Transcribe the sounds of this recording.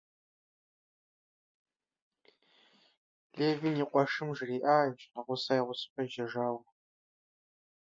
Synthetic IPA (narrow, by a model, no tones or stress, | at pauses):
leːviniːqʷʼɔʂɨmʒriːʔaːɕʼqɐʁʷʊsajʁʷʊsɨ̥pʼɐʒɐʒaːwɐ